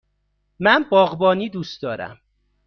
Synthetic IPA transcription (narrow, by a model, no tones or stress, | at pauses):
mænbɒːɣbɒːniːd̪uːst̪d̪ɒːɾæ̰m